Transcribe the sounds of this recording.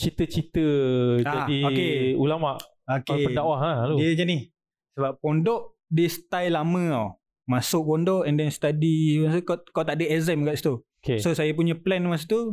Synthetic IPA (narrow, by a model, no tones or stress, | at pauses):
t͡ʃit̪ət͡ʃit̪əd͡ʒaadiokeulamaʔ | okapəndawaɦaloiəd͡ʒənih | səbap̚pɔndɔʔ | dist̪ajlamə̃aw | masʊʔ̚bɔndɔʔɛndɛnst̪adiaskakawt̪aʔdəɛzɛmɡaʔsi̥t̪u | kesosajap̬uɲə̃plɛnmas̬it̪u